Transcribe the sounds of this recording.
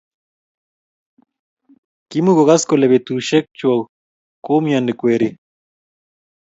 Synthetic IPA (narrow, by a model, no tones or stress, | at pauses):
kimuɣoɣaskoleβet̪uʃek̚t͡ʃuaw | komiandekweɾi